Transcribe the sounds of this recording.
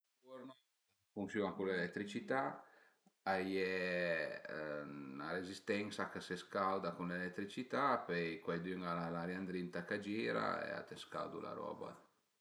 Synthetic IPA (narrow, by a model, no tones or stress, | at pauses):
ɔɾnɔ | fuŋsjuakulelɛt̪ːɾit͡ʃit̪a | ajɛ | naɾezist̪ɛŋsakəseskawd̪akunlelɛt̪ːɾit͡ʃit̪apɛjkwɛjd̪yŋalalaɾjand̪ɾint̪akad͡ʒiːɾa̰ḛa̰t̪eska̰wd̪ṵla̰ɾɔ̰ːba̰